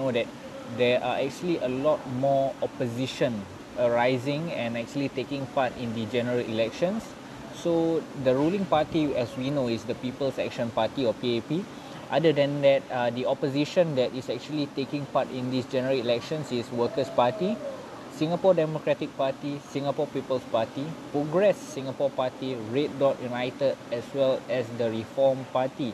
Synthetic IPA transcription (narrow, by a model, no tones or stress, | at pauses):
nodɛt̚ | dɛʔaʔɛk̚t͡ʃuəliʔəlɔt̚mɔɔpoziʃə̃n | əɹaɪzɪ̃ŋɛ̃nɛk̚t͡ʃuəlitekɪ̃ŋpatĩndid͡ʒɛnəɹəlḭlɛkʃə̃nsː | odəɹulĩŋpatiɛswinoisdəpipəlsɛ̰k̚ʃə̃npatiɔpiepi | ʔadədɛ̃ndɛt̚adiɔpoziʃə̃ndɛtisɛk̚t͡ʃuəlitekĩŋpatĩndisd͡ʒɛnəɹəlilɛk̚ʃə̃nsiswəkəspati | sĩŋapɔdɛmokɹɛtik̚patisĩŋapɔpipəlspatipɹoɡɹɛsːĩŋapɔpatiɹet̚dɔtjunaɪtədɛswɛlɛsdəɹifɔmpati